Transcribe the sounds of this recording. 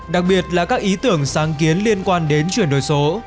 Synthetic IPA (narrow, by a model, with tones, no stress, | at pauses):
ɗa˨˩k̚ɓi˨˩ət̚laː˨˩kaː˦˥k̚ʔi˨˦t̪ɨ˧˩əŋsaː˨˦ŋki˨˦ənli˧ənkwaː˧nɗe˨˦nt͡ɕwi˧˩ənɗo˨˩jso˨˦